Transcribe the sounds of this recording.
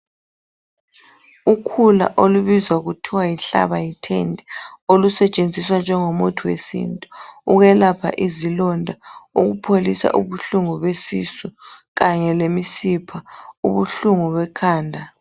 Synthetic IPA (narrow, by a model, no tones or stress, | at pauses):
ukʰula̰ʔoluβizwauɣutʰiwajiɬa̰βajitʰḛndʱɛolusɛt͡ʃʼend͡zʱiswand͡ʒʱɛŋomutʰuwḛsḭntʼuuɣɛlapʰa̰ʔizilɔndʱauɣupʰolisa̰ʔuβuɬuŋuβesisuɣaɲɛlemisipʰauβuɬuŋuβɛkʰaːndʱa